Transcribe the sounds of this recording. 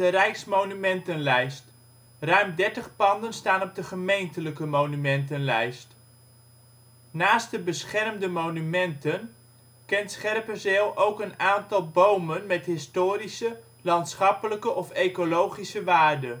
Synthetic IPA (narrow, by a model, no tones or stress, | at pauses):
ərɛjksmownymɛntənlɛjst | rœɥmdɛɹtəχpɑndənstaːnɔb̚dəχəmejntələkəmownymɛntənlɛjst | naːst̚dəbəsχɛrmdəmownymɛntən | kɛntsχɛrpəzeːlˠʔowkənaːntɑlˠbowmənmɛtɦɪstoːɾisə | lɑntsχɑpələkəʔɔfejkolowχisəʋaːɹdən